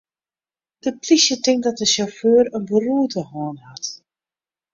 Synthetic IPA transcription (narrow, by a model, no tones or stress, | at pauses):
d̥əplisjətɪŋk̚dɔt̚dəsoføːɾənbəruətəhɔːnhat